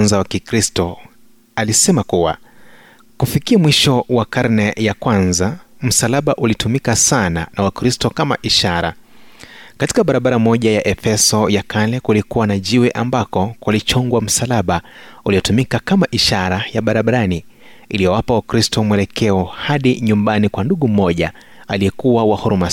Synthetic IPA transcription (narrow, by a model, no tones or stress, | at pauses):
nzawakikɾistɔ | alisɛmakuwa̰ | kufikiamwiʃɔwakaɾnɛjakwanzam̩salaɓaʔulitumikasananawakɾistɔkama̰ʔiʃaɾa̰ | kati̥kaɓaɾaɓaɾamɔʄajaʔɛfɛsɔjakalɛkulikuwanaʄiwɛʔambakɔkwalit͡ʃɔŋɡwam̩salaɓaulijɔtumikakamaʔiʃaɾajaɓaɾaɓaɾani | ilijɔwapawakɾistɔmwɛlɛkɛɔhaɗiɲumbanikwanduɠum̩ɔʄa̰ | aliɛkuwawahuɾuma